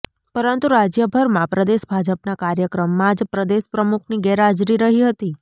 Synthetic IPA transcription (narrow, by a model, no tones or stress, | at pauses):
pəɾənt̪uɾad͡ʒjəbʱəɾmãpɾəd̪eʃbʱad͡ʒəpnakaɾjəkɾəmːãd͡ʒpɾəd̪eʃpɾəmukʰniɡɛɾad͡ʒɾiɾəɦiɦət̪i